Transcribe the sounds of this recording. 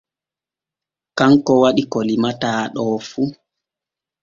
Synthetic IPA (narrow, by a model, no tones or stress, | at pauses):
kaŋkɔwaɗikɔlimataːɗɔːfu